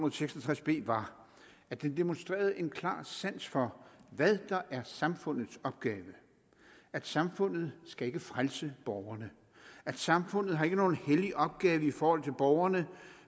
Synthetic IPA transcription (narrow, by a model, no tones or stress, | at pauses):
unɐðˠseɡ̥sɒt͡sʰʁasb̥e̝̰ːʋɑ̈ | æ̥d̥end̥e̝monsd̥ʁḛːɐð̞̩ˠʔe̝nkʰlɑ̰̈ːsæn̰sfɒ̽ʋæðˠd̥ɑ̈ʔæɐsɑ̈mfɔ̽n̰ð̩ˠsɒ̽b̥ɡ̥ɛːʋə | æd̥sɑ̈mfɔ̽n̰ð̞̩ˠsɡ̥æe̝ɡ̥əfʁalsəb̥ɒʊɐnə | æd̥sɑ̈mfɔ̽n̰ð̞̩ˠɦɑ̈e̝ɡ̥əno̝ːn̩heliʔɒ̽b̥̚ɡ̥ɛːʋəifɒːhɒ̽l̰t͡sʰe̝lb̥ɒʊɐnə